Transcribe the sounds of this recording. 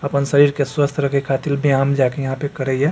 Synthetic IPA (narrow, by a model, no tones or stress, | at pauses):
əpənsəɾiːɾkeswəst̪ʰɾəkekʰaːt̪ilbʱiaːmd͡ʒaːkejɐɦãpekəɾəɛ